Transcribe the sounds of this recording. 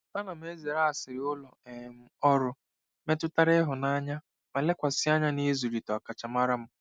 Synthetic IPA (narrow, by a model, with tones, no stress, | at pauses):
pa˦na˨m˦e˦ze˨ɾa˦a˨sɪ˨ɾɪ˨ʊ˦lɔ˨m̩˦ɔ˦ɾʊ˦ | me˦tʊ˦ta˦ɾe˦ɦʊ˨na˦ɲa˦ | ma˨le˦kʷa˨sɪ˦a˦ɲa˦ni˦zu˨ɾi˨tɔ˨a˨ka˨t͡ʃa˨ma˦ɾa˦m̩˦